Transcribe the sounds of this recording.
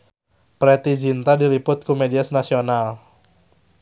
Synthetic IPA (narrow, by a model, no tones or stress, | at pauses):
pɾet̪id͡ʒint̪adilipʊt̪̚kumediasnasional